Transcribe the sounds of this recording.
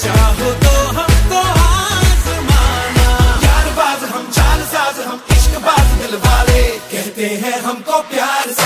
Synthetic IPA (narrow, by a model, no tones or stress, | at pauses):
t͡ʃaːɦot̪oɦɐmkoaːsmanajaːɾbaːd̪ɦɐmt͡ʃaːlsaːt̪ɦɐmɪʃkbaːd̪mɪlbaːleːkɛɦt̪eɦɛ̃ɦɐmkopjaːɾ